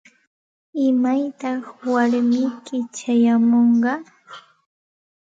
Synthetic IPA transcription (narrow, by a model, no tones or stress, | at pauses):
ɪmajt̪ɑχwaɾmɪjkɪt͡ʃajamoɴɢɑ